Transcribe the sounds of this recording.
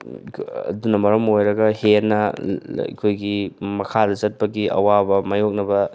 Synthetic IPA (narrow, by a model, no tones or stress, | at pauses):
ɐ̰dunɐmɐɾɐmojɾɐɡɐhenɐ̰ | kʰojɡimɐkʰadɐzɐt̚pɐɡiʔɐ̰wabɐmɐjok̚nɐbɐ